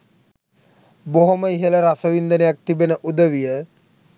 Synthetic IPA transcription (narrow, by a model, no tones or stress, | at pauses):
boɦoməiɦeləɾasəʋind̪ənejak̚t̪ibenəʔud̪əʋijə